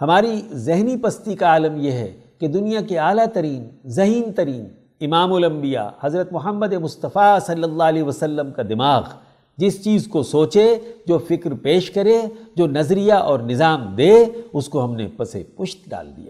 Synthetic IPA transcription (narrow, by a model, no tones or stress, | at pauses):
hɐmaːɾizɪɦnipɐst̪ikaaːləmjeɦɛ̰ | ked̪ʊnijakeaːlat̪ɐɾiːnzɐɦiːnt̪ɐɾiːn | ɪmaːmʊlɐ̃mbija̰hɐzɾət̪mʊɦəmːəd̪emʊst̪əfasɐlːəlːaːleʋɐsɐlːəmkad̪ɪmaːɣ | d͡ʒɪst͡ʃiːzkosoːt͡ʃed͡ʒoːfɪkɾpeːʃkɐɾed͡ʒoːnɐzɾijaʔɔːɾnɪzaːmd̪eːʊskoɦɐmnḛpɐsḛpʊʃt̪ɖa̰ːld̪ḭja̰ː